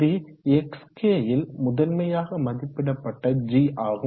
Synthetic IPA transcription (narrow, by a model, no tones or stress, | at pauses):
iɛkskeːjɪlmʊðɐlmɐjaːɣɐmɐðɪpːɪɽɐpːɐʈːɐd͡ʒiːʔaːɣ